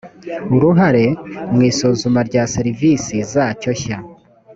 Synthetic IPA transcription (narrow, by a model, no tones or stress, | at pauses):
uɾuɦaɾe̞mŋiːsozumaɾɟaːseɾivisizaco̞ça